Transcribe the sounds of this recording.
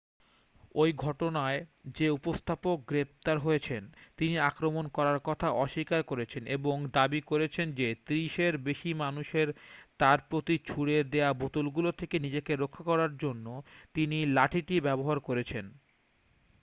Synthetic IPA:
ojɡʱɔʈonaed͡ʑeupost̪ʰapok̚ɡɾep̚t̪aɾɦojet͡ɕʰent̪iniakɾomonkɔɾaɾkɔt̪ʰaʔɔʃikaɾkoɾet͡ɕʰeneboŋd̪abikoɾet͡ɕʰend͡ʑet̪ɾiʃeɾbeʃimanuʃeɾt̪aɾpɾot̪it͡ɕʰuɽed̪eabot̪ulɡulot̪ʰekenid͡ʑekeɾokʰːakɔɾaɾd͡ʑonːot̪inilaʈʰiʈibɛboɦaɾkoɾet͡ɕʰen

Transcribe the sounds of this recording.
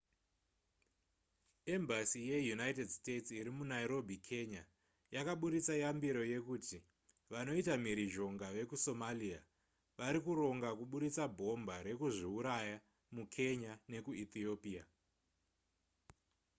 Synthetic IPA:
e̞mbasije̞junaitedstett͡siɾimunaiɾo̞bʱikʰe̞ɲa | jakaɓuɾit͡sajambiɾo̞je̞kuti | ʋano̞itamiɾiʒo̞ŋɡaʋe̞kuso̞malia | ʋaɾikuɾo̞ŋɡakuɓuɾit͡sabʱo̞mbaɾe̞kuʐiuɾaja | mukʰe̞ɲane̞kuit̪io̞pia

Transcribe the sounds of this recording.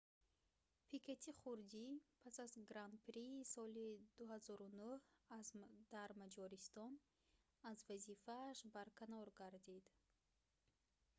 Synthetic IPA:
pʰikʰet̪ʰiχuɾd̪ipʰasazɡɾand̪̚pɾiːsɔlid̪uɦazɔɾunuhad̪̥aɾmad͡ʒɔɾist̪ɔn | azvazifaːʃbaɾkʰanɔɾɡaɾd̪id̪

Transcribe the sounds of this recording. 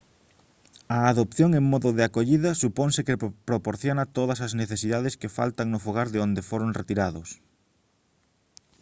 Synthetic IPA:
ɐːðopθjoŋeŋmɔðʊðɪakoʎiðɐsupoŋsɪkepɾopoɾθjonɐt̪oðɐsɐzneθesiðaðeskefa̰lt̪aŋnʊfoɣ̞aɾðɪond̪efoɾoŋret̪iɾaðʊs

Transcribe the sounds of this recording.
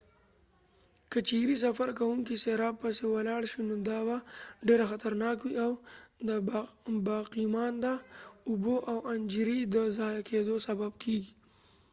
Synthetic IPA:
kət͡ʃiɾis̬afaɾkawuŋkiseɾɑb̚pəsewalɑɽʃinod̪ɑbaɖeɾaxat̪aɾnɑkwiawd̪əbɑqimɑnd̪aʊboʔawand͡ʒɾid̪əzɑjakʰed̪osababkʰeɡi

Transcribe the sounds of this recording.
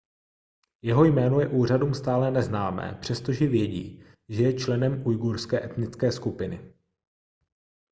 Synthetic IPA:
jɛɦo̞jmɛːnojɛʔuːr̝aduːmst̪aːlɛnɛznaːmɛ̰ːpr̝̥ɛst̪o̞ʒɛvjɛɟḭː | ʒɛjɛt͡ʃlɛnɛmujɡuɾskɛːʔɛt̪nɪt͡skɛːskupɪnɪ̰

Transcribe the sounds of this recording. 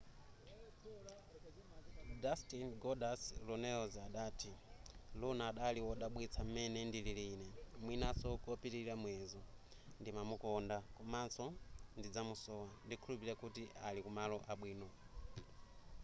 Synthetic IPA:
dastinɡɔdaslɔnɛɔzaɗaːtʰilunaːɗaliɔɗaɓwit͡sʰam̩mɛnɛndililiːnɛmwinasɔkɔpitiɾamwɛzɔ | ndimamukɔndakɔmant͡sɔndid͡zamusɔwandikʰulupiɾakutiʔalikumalɔʔaɓwiːnɔ

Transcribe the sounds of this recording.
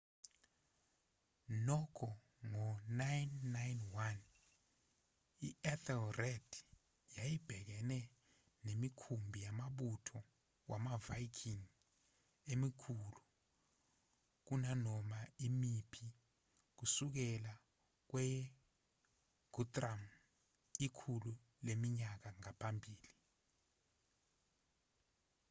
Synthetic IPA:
nɔkʰɔ | ŋɔnajnːajnwan | iɛtʰɛlrɛd̥ʱ | jajib̥ʱɛk̬ɛnɛ | nemikʰumbʱijamaɓutʰɔ | wʔamavajkʰiŋ | emikʰuːlu | k̬unanɔmaimipʰi | k̬usuk̬ɛla | k̬wɛ | ɡ̥ʱutʼram | ikʰulu | lemiɲak̬aŋapʰambʱiːli

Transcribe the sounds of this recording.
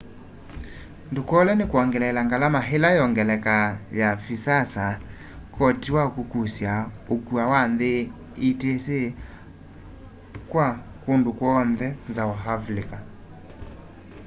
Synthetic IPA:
ndukwɔlɛnekwaŋɡɛlɛlaŋɡalamaɦelajɔŋɡɛlɛkajafisasa | kʰɔtiwakukusjaokuawanðe | itese | kwa | kondukwɔnðɛnzaaɦavleka

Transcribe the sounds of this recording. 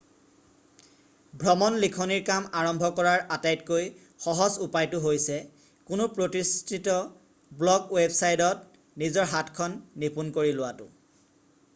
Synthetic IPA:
bʱɹɔmɔnlikʰɔniɹkamaɹɔmbʱɔkɔɹaɹatajtkoj | xɔɦɔzupajtʊɦojsɛ | kʊnʊpɹotistʰitɔ | blɔkwebsajdɔt | nizɔɹɦatkʰɔnːipunkoɹilʊwatʊ̰

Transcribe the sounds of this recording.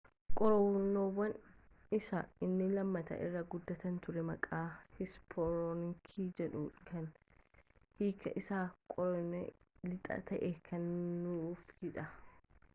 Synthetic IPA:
kʼɔɾɔwnːoːwɐn | ɪsɐɪnːɪlɐmːɐt̪ɐ̰ʔɪrːɐɡʊd̪ːɐt̪ɐnt̪ʊɾɛmɐkʼaːhɪspʰɔɾɔnɪŋkʰiːd͡ʒɛᶑʊkɐn | hiːkːɐ̰ʔɪsaːkʼɔɾɔnɛ̰lɪt̪ʼɐ̰t̪ɐʔɛkʰɐnːʊfhɪᶑɐ

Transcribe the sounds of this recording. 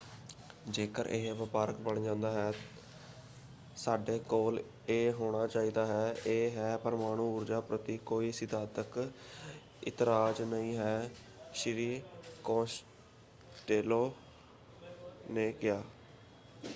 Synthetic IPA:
d͡ʒeːkəɾʔḛːɦʋəpaːɾəkbəɳd͡ʒãːnd̪aːɦɛː | saːɖeːkoːl | eːɦoːɽ̃aːt͡ʃaːiːd̪aːɦɛːeːɦɛːpəɾəmaːɽ̃ũːʊɾd͡ʒaːpɾət̪iːkoːiːsɪt̪aːt̪ək | ɪ̰t̪ɾaːd͡ʒnəĩːɦɛː | ʃɾiːkõːʃ | ʈeːloː | neːɡɪjaː

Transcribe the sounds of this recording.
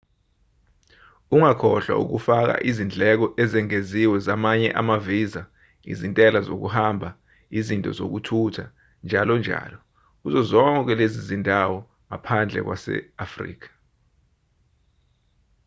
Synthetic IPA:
uŋakʰɔɬwa̰ṵk̬ufak̬a̰ʔizind͡ɮʱɛk̬ɔʔɛzɛŋeziwɛzamaɲɛ̰ʔamaviza | ḭzintʼɛlazo̰k̬uhambʱa | izintʼɔ̰zo̰k̬utʰutʰa | nd͡ʒʱalɔnd͡ʒʱa̰ːlɔ | k̬uzɔzɔŋʼɔk̬wɛlezizindʱawɔ | ŋapʰand͡ɮʱɛ̰k̬wasɛ̰afrḭːk̬ḁ

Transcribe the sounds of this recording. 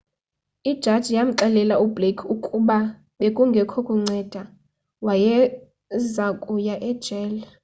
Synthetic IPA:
id̥ʒ̥ʱad̥ʒ̥ʱijam̩ǃɛlɛlaublekʰukʼuɓa | ɓekʼuŋɡʱɛkʰɔkʼɔŋ͡ǀɛd̥ʱa | wajɛ | zakʼujaʔɛd̥ʒ̥ʱɛːlɛ

